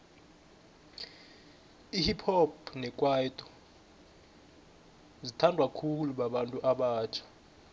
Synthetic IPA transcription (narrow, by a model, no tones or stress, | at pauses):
ihipʰɔp̚nɛkʼwaitʼɔ̥ | zitʰandʱwakʰuluɓaɓantʼuʔaɓaːt͡ʃʰḁ